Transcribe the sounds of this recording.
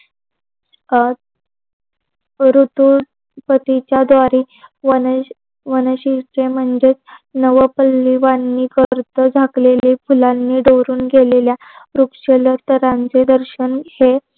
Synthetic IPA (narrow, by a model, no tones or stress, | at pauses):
ɾut̪u | pət̪it͡ɕjad̪ʋaɾiː | ʋə | ʋənəɕiʈɾem̤əɳd͡zet͡snəʋəpəlːiʋanːiːkəɾt̪əd͡zʱaklelifulanːiːɖəʋɾuːnɡelelja | ɾukʂələt̪əɾãnt͡sed̪əɾɕənhe